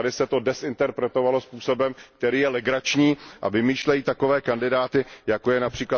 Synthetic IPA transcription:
adɪsɛt̪o̞dɛsɪnt̪ɛɾpɾɛt̪o̞valo̞spuːso̞bɛmk̚t̪ɛɾiːjɛlɛɡɾat͡ʃɲiːʔa̰vɪmiːʃlɛjiːt̪akovɛːkandɪdaːt̪ɪjako̞jɛnapr̥iːkla

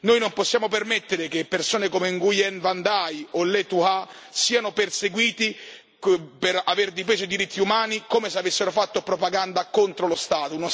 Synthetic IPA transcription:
noːjnomposːjaːmopermet̪ːeɾekepːersoːnekomeŋɡujɛnvand̪ajolɛt̪ua | siːanoperseɡwiːt̪i | peɾaverd̪ifeːsod̪iɾit̪ʰːiumaːnikoːmeseavesːeɾofat̪ːopɾopaɡand̪akont̪ɾolost̪aːt̪ono

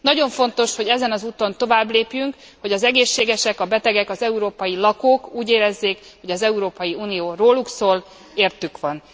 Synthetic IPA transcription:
nɒɟo̞ɱfo̞nt̪o̞ʃho̞ɟɛzɛnɒzuːt̪o̞nt̪o̞vaːbleːpjyŋk | ho̞ɟɒzɛɡeːʃːeːɡɛʃɛkɒbɛt̪ɛɡɛkɒzɛuɾoːpɒjilɒkoːkuːɟeːɾɛzːeːkho̞ɟɒzɛuɾoːpɒjiuːnijoːroːluksoːl | eːrt̪ykʋɒn

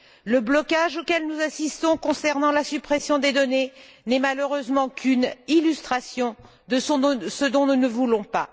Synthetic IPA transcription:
ləblɔkaʒokʲɛlnuzasist̪ɔ̃kɔ̃sɛʁnɑ̃lasypχɛsjɔ̃d̪ed̪ɔnenɛmaløʁøzmɑ̃kʰynilyst̪χasjɔ̃ | d̪ə̃səd̪ɔ̃nunəvulɔ̃pa

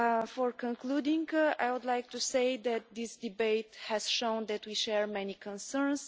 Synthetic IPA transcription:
fɔɹkə̃nkludĩŋɡa̰jwud̪lajk̚tuseɪðæt̪̚d̪isd̪ibeɪthɛz̥ʃõʊ̃nd̪ɛt̪wiʃɛɹmɛnikʰɔ̃nsəɹns

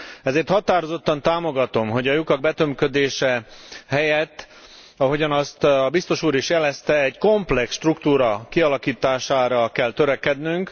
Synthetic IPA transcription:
ɛzeːrt̪hɒt̪aːɾo̞zo̞t̪ːɒnt̪aːmo̞ɡɒt̪o̞mɦo̞ɟɒjukɒɡ̚bɛt̪ømkød̪eːʃɛɦɛjɛt̪ː | ɒɦo̞ɟɒnɒst̪ɒbist̪o̞ʃuːɾiʃjɛlɛst̪ɛːɟko̞mplɛksʃt̪rukt̪uːɾɒkiɒlɒkiːt̪aːʃaːɾɒkɛlt̪øɾɛkɛd̪nyŋk

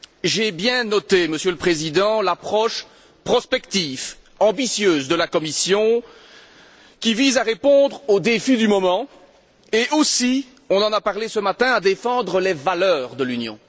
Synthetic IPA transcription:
ʒebjɛ̃nɔt̪eməsjøləpχezid̪ɑ̃lapχɔʃ | pχɔspɛkt̪if | ɑ̃bisjøːzd̪əlakɔmisjɔ̃ | kʲivizaʁepɔ̃d̪ʁod̪efid̪ymɔmɑ̃ | eʔosi | ɔ̃nɑ̃napaʁlesəmat̪ɛ̃ad̪efɑ̃d̪ʁəlevalœːʁd̪əlynjɔ̰̃

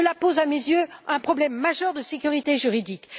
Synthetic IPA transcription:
əlapozamezjøɛ̃pχɔblɛmːaʒœʁd̪əsekʲyʁit̪eʒyʁid̪ik

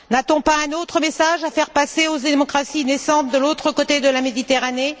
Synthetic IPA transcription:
nat̪ɔ̃paɛ̃not̪χəmesaʒafɛʁpaseozemɔkχasinesɑ̃t̪̚d̪əlot̪χəkot̪ed̪əlamed̪it̪eʁane

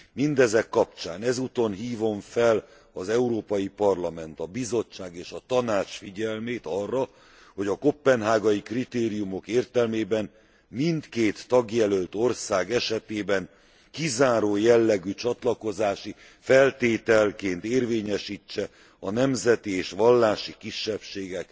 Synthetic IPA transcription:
mind̪ɛzɛkːɒp̚t͡ʃaːnɛzuːt̪o̞nɦiːvo̞ɱfɛl | ɒzɛuɾoːpɒjipɒrlɒmɛnt̪ɒbizo̞t͡ʃːaːɡeːʃɒt̪ɒnaːt͡ʃfiɟɛlmeːt̪ɒrːɒ | ho̞ɟɒko̞pːɛnɦaːɡɒjikrit̪eːɾijumo̞keːrt̪ɛlmeːbɛn | mint̪keːt̪ːɒɡjɛlølt̪o̞rsaːɡɛʃɛt̪eːbɛn | kizaːɾoːjɛlːɛɡyt͡ʃɒt̪lɒko̞zaːʃi | fɛlt̪eːt̪ɛlkeːnt̪eːrveːɲɛʃiːt͡ʃːɛ | ɒnɛmzɛt̪ieːʃʋɒlːaːʃikiʃːɛpʃeːɡɛk

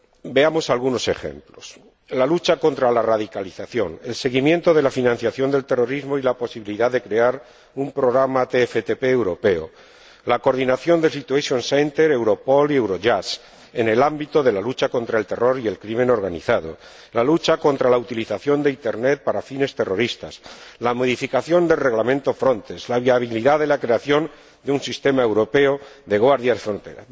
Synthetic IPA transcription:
be̞amo̞salɣuno̞se̞xe̞̰mplo̞s | lalut͡ʃako̞nt̪ɾalaraðikaliθaθjo̞̰ne̞̰lse̞ɣimje̞nt̪o̞ð̞e̞lafinãn̟θjaθjo̞nd̪e̞lt̪e̞ro̞ɾizmo̞ilapo̞siβiliðaððe̞kɾe̞aɾ | umpɾo̞ɣ̞ɾamat̪efet̪epeːwɾo̞pe̞o̰ | lako̞ɾðinaθjo̞nd̪elsit̪ueʃjonsent̪e̞ɾewɾo̞po̞lie̞wɾo̞ʝas | ene̞lambit̪o̞ðe̞lalut͡ʃako̞nt̪ɾae̞lt̪e̞ro̞ɾie̞lkɾimẽno̞ɾɣanḭθaðo̞̰ | lalut͡ʃako̞nt̪ɾalaut̪iliθaθjo̞nd̪eint̪e̞ɾne̞t̪̚paɾafine̞st̪e̞ro̞ɾist̪a̰slamoð̞ifikaθjo̞nd̪e̞lre̞ɣlamẽnt̪o̞fɾo̞nt̪ezlaβiaβ̞iliðaðelakɾe̞aθjo̞n | d̪eunsist̪e̞mae̞wɾo̞pe̞oðe̞ɣwaɾðjaefɾont̪eɾa̰

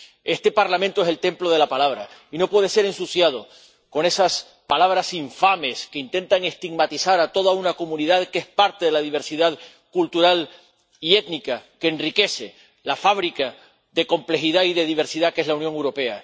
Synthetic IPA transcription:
e̞st̪e̞paɾlamẽnt̪oe̞se̞lt̪e̞mplo̞ð̞e̞lapalaβ̞ɾa̰ino̞pwe̞ðe̞se̞ɾẽ̞nsusjað̞o̞ | ko̞ne̞sas | palaβ̞ɾasiɱfame̞ske̞int̪ẽ̞nt̪aŋe̞st̪iɡmat̪iθaɾat̪o̞ð̞aunako̞mũniðaðke̞spaɾt̪eðe̞laðiβe̞ɾsiðað | kult̪uɾal | ie̞t̪nikake̞ːnrike̞se̞ | lafaβɾika | ðe̞ko̞mple̞xiðaiðe̞ðiβ̞e̞ɾsiðake̞zlawnjoŋewɾo̞pe̞a

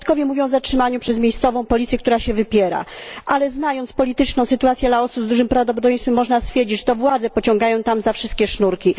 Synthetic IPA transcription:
t̪kɔvʲjɛmuvʲjɔ̃w̃vzatʂɘmaɲupʂɛzmʲejst̪sɔvɔ̃w̃pɔlʲit̪sjɛkt̪uɾaɕɛvɘpʲjɛɾa̰ʔalɛznajɔnt̪spɔlʲit̪ɘt͡ʂnɔ̃w̃sɘt̪uat̪sʲjɛlaɔsubzd̪uʐɘmpɾavd̪ɔpɔd̪ɔvʲjẽjnst̪fɘmːɔʐnast̪fʲjɛɾd͡ʑit͡ɕʂt̪ɔvwad̪zɛpɔt͡ɕɔ̃ŋɡajɔ̃w̃t̪amzafʂɨst̪̚kʲɛʂnuɾkʲi

